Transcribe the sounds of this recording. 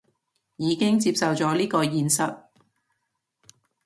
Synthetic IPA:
jiː˨˧kɪ˥ŋt͡siː˧p̚sɐ˨wt͡sɔː˨˥liː˥kɔː˧jiː˨˧nsɐ˨t̚

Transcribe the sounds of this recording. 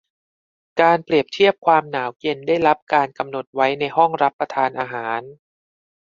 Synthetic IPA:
kaː˧npɾi˨˩əp̚t̪ʰi˥˩əp̚kʰwaː˧mnaː˩˦wke˧ndaː˥˩jɾa˦˥p̚kaː˧nka˧mno˨˩t̪̚wa˦˥jna˧jɦɔ˥˩ŋɾa˦˥pːa˧t̪ʰaː˧nʔaː˧ɦaː˩˦n

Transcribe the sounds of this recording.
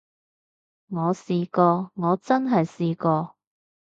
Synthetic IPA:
ŋɔː˨˧siː˨kɔː˧ŋɔː˨˧t͡sɐ˥nɦɐ˨jsiː˨˧kɔː˧

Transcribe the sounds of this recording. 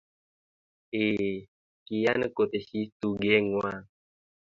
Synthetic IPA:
e˨ | ki˨ja˦nə˦ko˨t̪e˨si˦tu˦ɡɛ˦ŋwa˦˨

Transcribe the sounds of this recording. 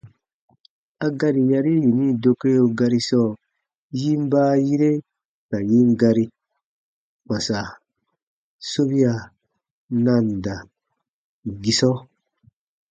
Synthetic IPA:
a˦ɡa˦ɾi˨ja˧ɾi˦ji˨ni˦do˧ke˦jo˧ɡa˧ɾi˧sɔː˦˨ | ji˦m˦baː˦ji˦ɾe˦ | ka˨ji˦ŋ˦ɡa˧ɾi˧ | k͡pa˨sa˨ | so˦βi˦a˨ | nã˧˨n˨da˨ | ɡi˧sɔ˦

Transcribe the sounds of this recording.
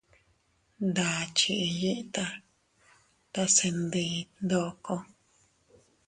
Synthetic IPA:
nd̪a˨t͡ʃi˧ʔji˦ʔt̪a˧ | t̪a˧se˧nd̪i˧nd̪o˧ʔko˧

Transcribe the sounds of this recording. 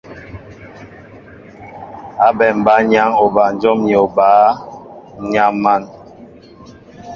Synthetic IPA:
a˦bɛ˨m̩˨ba˨˦ɲa˦ŋo˨ba˨n˦d͡ʒɔ˦mɲi˨o˨baː˨˦ | ɲa˦ŋma˦˨n

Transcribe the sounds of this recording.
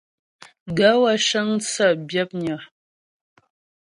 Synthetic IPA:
ɡa˦wa˦ʃa˦ŋt͡sa˦˨bja˦p̚ɲə˨

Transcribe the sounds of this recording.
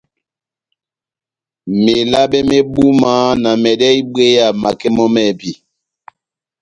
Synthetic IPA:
me˨la˦ɓe˦me˦ɓu˦ma˨˦na˨mɛ˨dɛ˦i˦ɓe˦ja˨ma˨kɛ˦mɔ˦mɛ˦˨bi˦˨

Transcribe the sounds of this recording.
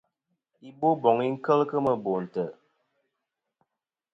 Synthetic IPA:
i˦bo˦bɔ˨ŋi˦ŋ̩˦kə˦lkə˦mə˨bo˨n̩˨tə˨

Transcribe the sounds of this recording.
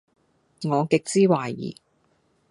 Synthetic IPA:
ŋɔː˨˧kɪ˨k̚t͡siː˥waː˨˩jḭː˨˩

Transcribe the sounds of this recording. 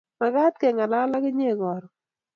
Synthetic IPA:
ma˨ɡa˦t̪̚kɛ˨ŋa˨la˦la˦kɪ˦ɲe˦˨ɡɔ˨ɾɔ˨

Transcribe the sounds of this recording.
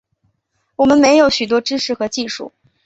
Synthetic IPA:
wɔ˨˩mə˦nme˧˥ɪjo˨˩ʊɕy˨˩t̪̬wɔ˥ʈ͡ʂɻ̩˥ʂɻ̩˥˩xɤ˧˥t͡ɕi˥˧ʂṵ˥˩

